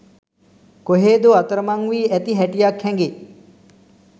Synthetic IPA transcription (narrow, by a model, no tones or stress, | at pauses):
koɦeːd̪uat̪əɾəmaŋʋiːæt̪iɦɛʈijakʰhɛŋɡe